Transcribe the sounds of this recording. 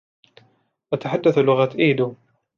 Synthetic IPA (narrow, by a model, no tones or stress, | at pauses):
ʔat̪aħad̪ːaθlʊɣat̪ʔiːd̪u